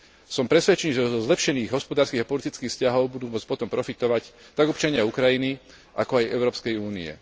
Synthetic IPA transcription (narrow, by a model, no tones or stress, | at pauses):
sɔmpɾɛsʋɛt͡ʃɛniːʒɛzɔzlɛpʃɛniːɣɦɔspɔd̪aːɾskiːɣapɔlit̪it͡skiːxfscaɦɔʊbud̪uːmʊɔt͡spɔt̪ɔmpɾɔfit̪ɔʋact̪aɡɔpt͡ʃaɲɪaukɾajini | ʔakɔajɛʊɾɔːpskɛjuːniɛ̰